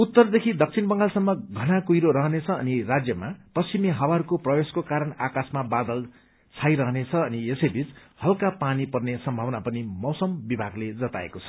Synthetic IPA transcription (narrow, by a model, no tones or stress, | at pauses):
ut̪ːʌrd̪ekʰid̪ʌk̚t͡sʰinbʌŋɡalsʌmːʌɡʱʌnakujɾoɾʌɦnet͡sʰʌ̰ːnirad͡zjʌmapʌst͡ʃimiɦʌwaɾkoprʌbeskokaɾʌnakasmabad̪ʌl | t͡sʰajɾʌɦnet͡sʰʌːniesʌjbʱit͡shʌlkapanipʌrnesʌmbʱʌwnapʌnimʌwsʌmbibʱaɡled͡zʌt̪a̰ḛkot͡sʰʌ̥